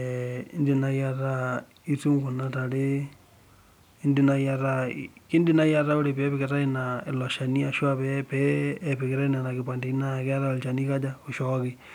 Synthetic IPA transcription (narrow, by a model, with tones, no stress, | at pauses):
ndi˨na˦ja˦ɾa˦ | i˦tu˦ŋɡu˨na˦ta˨ɾe˦ | i˦ndi˨na˦ja˦ɾa˦kɪ˦ndɪ˦na˦ja˦ɾa˦o˦ɾe˨pɛ˨˦pɪ˨kɪ˨ɾa˦i˦na˨ɪ˨lɔ˨ʃa˨ni˦a˨ʃwa˦pɛpɛː˨pɪ˨kɪ˨ɾa˦i˦na˨na˨kɪ˨p̬wa˨nde˨i˦na˦˨kɛ˦a˦ɾa˦o˨lt͡ʃa˨ni˦ka˦d͡ʒa˦o˨ʃɔ˦kɪ˦